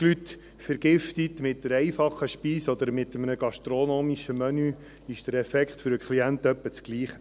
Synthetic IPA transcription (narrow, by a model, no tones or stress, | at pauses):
lyt̪ | fəɾɡ̥ɪft̪it̪mɪt̚dəɾɛjfɑχːəʃpiːsɔd̪əɾmɪt̪əmənəɡ̥ɑʃt̪ɾonoːmiʃəmœny | ɪʃd̥əɾɛfɛkχtfʏɾəkχliænt̪œpːət͡sɡ̥liːχə